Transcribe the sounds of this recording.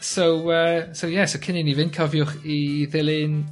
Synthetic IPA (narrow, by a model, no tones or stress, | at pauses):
sowəːsowjɛsowkʰɪnɪnivɪnkʰɔvjʊχiðɪlˠɪn